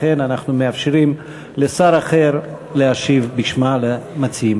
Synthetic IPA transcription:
enanaχnumeafʃiɾim | lesaɾaχeɾ | leaʃivbiʃmalemat͡siim

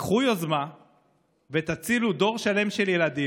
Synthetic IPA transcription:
χujozma | vet̪at͡silud̪o̞ʁʃale̞mʃe̞ljelad̪i

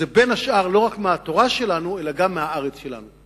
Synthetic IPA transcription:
ebe̞naʃʔaʁlo̞ʁakmeat̪o̞ʁaʃelanue̞laɡamːeɦaaʁet͡sʃe̞la̰nu

